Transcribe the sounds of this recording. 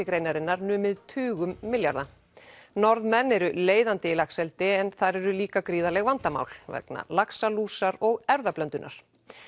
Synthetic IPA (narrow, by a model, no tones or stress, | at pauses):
ɪkɾeːjnaɾɪnːaɾnʏːmɪðt̪ʰʏːɣʏmːɪlja̰ɾða | nɔɾðmɛnːɛɾʏleːjðant̪ɪɪlaksɛlt̪ɪɛnθaɾɛɾʏliːkakɾiːðalɛɣvant̪ama̰wl̥vɛ̰kna̰laksaluːsaɾɔɣɛɾðaplœnt̪ʏnʔa̰ɾ̥